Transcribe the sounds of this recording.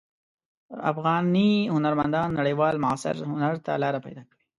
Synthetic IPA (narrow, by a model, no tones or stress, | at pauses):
a̰fɣɑniɦʊnaɾmand̪ɑnːaɽəjwɑlmʊɑsɪ̰ɾhʊnaɾt̪a̰lɑɾapa̰jd̪ɑkawi̥